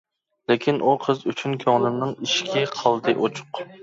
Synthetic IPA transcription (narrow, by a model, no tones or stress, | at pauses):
lɪkʲʰinʔuqʰəzyt͡ʃʰynkʲʰɑŋnɨmnɨŋiʃkʲɛqʰɑlˠd̪ɨʔot͡ʃʰʊ̥q